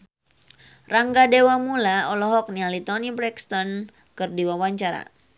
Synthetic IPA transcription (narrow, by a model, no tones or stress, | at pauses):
raŋɡadewamulaɔlɔɦɔk̚nialit̪ɔnibɾɛkst̪ɔn | kɨrdiwawaɲt͡ʃaɾa̰